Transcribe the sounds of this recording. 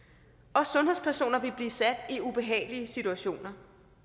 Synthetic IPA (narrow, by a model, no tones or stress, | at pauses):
ɒ̽sɔ̽nɦespʰæɐso̝̰ːnɐʋe̝lb̥liːsæd̥iub̥e̝ɦɛ̰ːɪliəsit͡sʰuæɕo̝̰ːnɐ